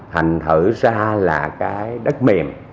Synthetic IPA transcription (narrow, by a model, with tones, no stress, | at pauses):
ha˨˩ŋ̟t̪ʰɨ˧˩zaː˧laː˨˩kaː˨˦jɗə˦˥t̚me˨˩m